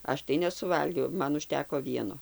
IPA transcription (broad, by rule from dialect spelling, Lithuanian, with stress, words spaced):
ˈɐʃ tɐɪ nʲɛsʊˈʋɐlʲɡʲɛʊ ˈmɐn ʊʃʲˈtʲæːkoː ˈʋʲiɛnoː